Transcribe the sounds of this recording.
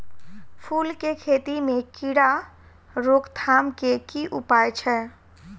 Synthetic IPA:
pʰuːlkekʰeːt̪imẽkiɽa | ɾokt̪ʰamkekiʔupajt͡ʃʰɛ

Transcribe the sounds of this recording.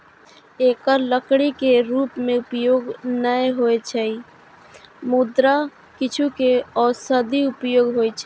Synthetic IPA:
eːkəɾləkɽikeɾuːpmẽʊpjoːɡnəjɦoet͡ʃʰɛi | mud̪ɾa | kɪt͡ʃʰukeɔːɾsəd̪ʱiʊpjoːɡɦojt͡ʃʰɛ

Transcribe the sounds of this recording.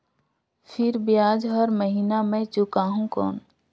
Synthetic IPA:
pʰɪɾbijaːd͡ʒɦəɾməɦiːnamẽt͡ʃʊkaːɦũkɔ̰ːn

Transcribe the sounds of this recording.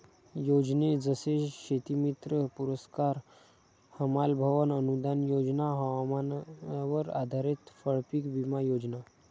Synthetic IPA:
jod͡ʑned͡zəseɕet̪imit̪ɾəpuɾəskaɾ | həmalbʱəʋənənud̪anjod͡znaɦmanʋəɾa̰d̪ʱaɾit̪fəɭpikbimajod͡ʑna

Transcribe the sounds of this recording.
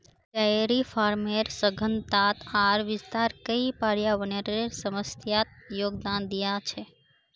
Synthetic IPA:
kəeɾifaɾmeɾsəɡʱənt̪at̪aɾʋɪst̪aɾkəipaɾjaʋəneɾeɾsəməst̪ʰjat̪̚joːɡ̚d̪and̪ijat͡ʃʰe

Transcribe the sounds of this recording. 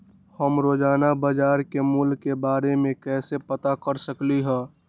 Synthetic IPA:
həmɾoːd͡ʒaːnabəd͡ʒaːɾkemʊlɡkebaːɾemẽkɛːsepət̪akəɾsəkliɦɛː

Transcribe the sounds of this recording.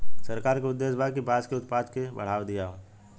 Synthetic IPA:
sɐɾkaːɾkeʊd̪ːeːsbaːkibaːd͡ʒkeʊt̪paːd̪kebɐ̰ɽ̤aːʋd̪ijãː

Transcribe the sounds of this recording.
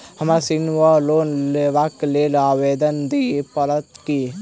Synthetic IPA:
həmasinʋaloːnleʋaklelawed̪ənd̪ipələt̪ki

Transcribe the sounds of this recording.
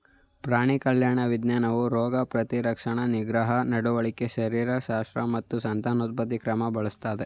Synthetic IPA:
pɾaːɳikɐljaːɳɐʋid̪naːnɐʋuɾɔːɡɐpɾɐt̪iɾɐkʂɐɳɐniɡɾɐɦɐnɐɽuʋɐɭikeʃɐɾiːɾɐʃaːst̪ɾɐmɐt̪ːusɐnt̪aːnut̪̚bɐd̪ikɾɐmɐbɐɭust̪aːd̪e

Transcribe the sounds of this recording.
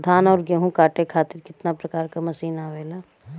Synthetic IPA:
d̪ʱaːnɔːɾɡeɦũkaːʈekʰaːt̪ɪɾkɪt̪napɾɐkaːɾkamɐsiːnaʋeːlaː

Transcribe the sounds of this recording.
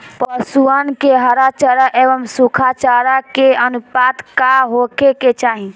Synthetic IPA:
pəsuənkeɦəɾat͡ʃəɾaʔebəmsukʰat͡ʃaɾakeənupad̪kaɦokeket͡ʃaɦĩ

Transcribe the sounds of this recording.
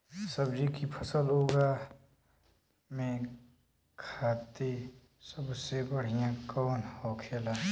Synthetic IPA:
səbd͡ʒikipʰəsəlɦoːɡa | mẽ | kʰaːt̪i | səbsebəɽ̤ijãkɔːnhoːkʰeːla

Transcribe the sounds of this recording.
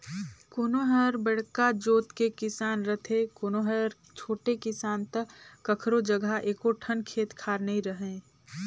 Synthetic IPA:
koːnoɦəɾbəɽkad͡ʒoːt̪kekɪsaːnɾət̪ʰẽkoːnoɦəɾ | t͡ʃʰoːʈekɪsaːnt̪əkːəkʰɾod͡ʒəɡʱaʔeːkoʈʰənkʰeːt̪kʰaːɾnəĩɾəɦẽː

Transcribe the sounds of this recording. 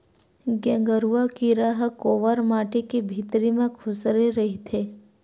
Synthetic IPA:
ɡɛ̃ːŋɡəɾuakiɾaɦkoːʋəɾmaːʈekibʱiːt̪ɾimẽkʰʊsɾeɾɐɦit̪ʰeː

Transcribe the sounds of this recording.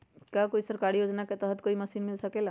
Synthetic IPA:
kakoisəɾkaɽijod͡znaket̪əɦət̪koiməsiːnmilsəkela

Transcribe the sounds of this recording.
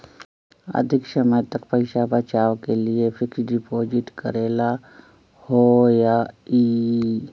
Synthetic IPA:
ə̰d̪ʱɪksəməjt̪ɐkpəɪʃabət͡ʃaːʋkeliefʰɪksɖɪpoːd͡ʒɪʈkə̰ɾeːla | hojaiː

